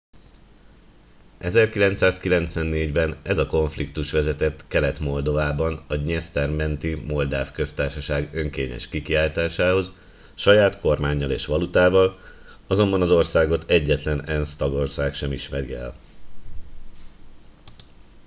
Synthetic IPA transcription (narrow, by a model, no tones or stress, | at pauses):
ʔɛzɛrkilɛnt̪saːskilɛnt̪sʋɛnːeːɟbɛnɛzɒko̞ɱflikt̪uʃʋɛzɛt̪ɛt̪kɛlɛt̪mo̞ld̪o̞vaːbɒnɒɲɛst̪ɛrmɛnt̪imo̞ld̪aːfkø̞st̪aːrʃɒʃaːɡø̞ŋkeːɲɛ̰ʃkikiaːjt̪aːʃaːho̞z | ʃɒjaːt̪ko̞rmaːɲːɒlḛːʃʋɒlut̪aːvɒl | ɒzo̞mbɒnɒzo̞rsaːɡo̞t̪ʰɛɟːɛt̪lɛnɛnst̪ɒɡo̞rsaːkʃɛmiʃmɛɾḭɛ̰l